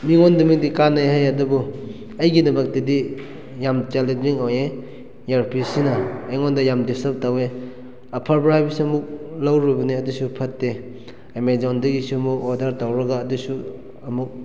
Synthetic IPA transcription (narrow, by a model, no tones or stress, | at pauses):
miŋondɐmik̚dikanːajɦajɐdubu | ɐjɡidɐmɐk̚tidi | jamt͡ʃalinmiŋawje | jaɾpʰisinɐːjŋondɐjamdisɐp̚tawe | ɐpʰaɾbɾahajbisiɐmuk̚lawɾibɐniɐdusupʰɐtːe | emezawndɐɡisuɐmuk̚ɔdɐɾtawɾɐɡaːdusu | ɐmuk̚